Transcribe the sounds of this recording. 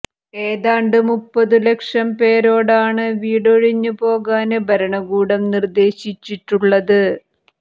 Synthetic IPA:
e̞ːðaːɳɖɨmupːɐðɨlekʂɐmpe̞ːɾo̞ːɽaːɳɨʋiːɽoɻiɲːupo̞ːɣaːnɨbʱɐɾɐɳɐɡuːɽɐmnird̪e̞ːɕit͡ɕːiʈːuɭːɐðɨ

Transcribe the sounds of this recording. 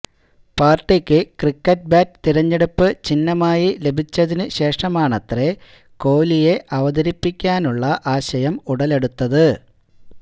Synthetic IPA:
paːrʈːikʲːɨkrikːɐt̚baːt̚t̪iɾɐɲːe̞ɽupːɨt͡ɕinːɐmaːjile̞bʱit͡ɕːɐðinɨɕe̞ːʂɐmaːɳɐt̪re̞ | ko̞ːlije̞ʔɐʋɐðɐɾipːikʲːaːnuɭːɐʔaːɕɐjɐmuɽɐle̞ɽut̪ːɐðɨ

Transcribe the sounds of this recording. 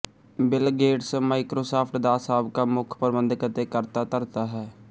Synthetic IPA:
bɪlɡeːɖsmaːɪkɾoːsaːpʰʈd̪aːsaːbkamʊkʰpəɾəbə̃nd̪kət̪ekəɾt̪at̪əɾt̪aɦɛː

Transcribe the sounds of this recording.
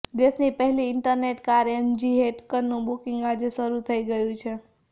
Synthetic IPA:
d̪esnipəɦiliːɳʈəɾneʈkaɾemd͡ʒiɦeʈkənːũbukiŋɡad͡ʒesəɾut̪ʰəjɡəjut͡ʃʰɛ

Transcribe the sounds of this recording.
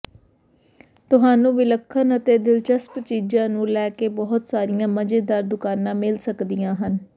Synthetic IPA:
t̪ʊɦaːnũːʋɪləkʰːənət̪eːd̪ɪlt͡ʃəspt͡ʃiːd͡ʒãːnũːlɛːkeːbɔɦt̪saːɾɪjãːməd͡ʒeːd̪aːɾd̪ʊkaːnãːmɪlsəkd̪ijãːɦən

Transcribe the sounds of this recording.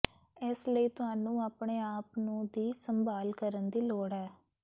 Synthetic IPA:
ɛːsləiːt̪ʊɦaːnũːaːpɳeːaːpnũːd̪iːsəmbaːlkəɾənd̪iːloːɽɦɛː

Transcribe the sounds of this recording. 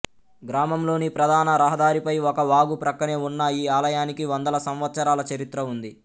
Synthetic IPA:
ɡɾaːmɐmlo̞ːnipɾɐd̪ʱaːnɐɾɐɦɐd̪aːɾipɐjɔkɐʋaːɡupɾɐkːɐneːunːɐiːaːlɐjaːnikiʋɐnd̪ɐlɐsɐmʋɐt̪sɐɾaːlɐt͡ʃɐɾit̪ɾɐund̪i

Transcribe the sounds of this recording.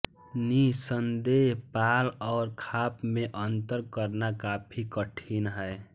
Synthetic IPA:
nisənd̪eɦpalɔːɾkʰaːpmẽʔənt̪əɾkəɾnakapʰikəʈʰinɦəe

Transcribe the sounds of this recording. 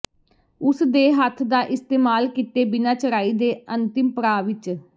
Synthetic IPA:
ʊsd̪eːɦət̪ʰd̪aːʔɪst̪eːmaːlkiːt̪eːbɪnãːt͡ʃəɾaːiːd̪eːənt̪ɪmpəɾaːʋɪt͡ʃ

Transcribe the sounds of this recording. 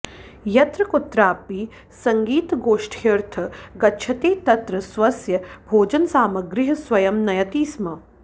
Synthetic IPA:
jɐt̪ɾɐkut̪ːɾaːpi | sɐŋɡiːt̪ɡoːʂʈʰeɾt̪ʰɐɡɐtːʃʰɐt̪eːt̪ɐt̪ɾɐsʋɐsjɐbʱoːd͡ʒɐnsaːmɐɡɾɪɦɐsʋɐjɐmnɐjɐt̪iːsmɐ

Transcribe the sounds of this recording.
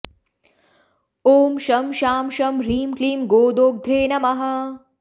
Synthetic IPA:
oːmʃɐmʃaːmʃɐmɾiːmkliːmɡoːd̪oːɡ̚d̪ʱɾeːnɐmɐɦɐ̆

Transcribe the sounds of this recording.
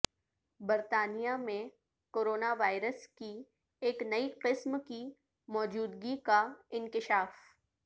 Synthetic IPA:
bɐɾt̪aːnijamẽ | koːɾoːnaʋaːɪɾəski | eːknɐiqɪsmki | mɔːd͡ʒuːd̪ɡikaɪ̃nkɪʃaːf

